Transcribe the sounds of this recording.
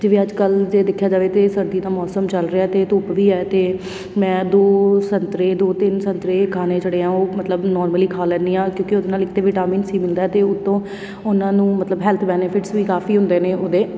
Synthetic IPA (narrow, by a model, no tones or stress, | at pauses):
d͡ʒeːʋeːəd͡ʒkəld͡ʒeːd̪ɪkʰːjaːd͡ʒaːʋeːt̪eːsəɾd̪iːd̪aːmɔːsəmt͡ʃəlɾeaɛːt̪eːt̪ʊːpʋiːɛːt̪eː | mɛ̃ːd̪oːsənt̪ɾeːd̪oːt̪ɪnsənt̪ɾeːkʰaːneːt͡ʃəɽeːãːoːmət̪ləbnɔːɾməliːkʰaːlɛ̃ːniːãːkjõːkɪod̪naːlɪk̚ʰt̪eːʋɪːʈaːmiːnsiːmɪld̪aːɛt̪eːʊt̪ːõː | ʊnãːnũːmət̪ləbɦɛːlt̪ʰbɛːnepʰɪʈsʋiːkaːfiːɦʊ̃nd̪eːneːʔʊd̪eː